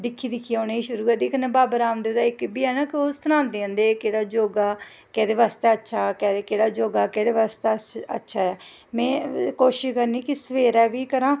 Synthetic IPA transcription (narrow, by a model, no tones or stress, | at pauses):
d̪ɪkʰːiːd̪ɪkʰːioneːiːʃʊɾuːd̪ɪkʰnɛ̃ːbaːbəɾaːmd̪eːʊd̪aːɪkbiːɛːnaːkɪost̪əɾãːnd̪eːə̃ːnd̪eːkeːɽaːd͡ʒoːɡaː | kɛːd̪eːʋaːst̪eːətːʃʰaːkɛːekeːɽaːd͡ʒoːɡaːkeːɽeːʋaːst̪esə̰tːʃʰaːɛː | mɛ̃ːkoːʃɪʃkəɾniːkɪsəʋeːɾɛːʋiːkəɾãː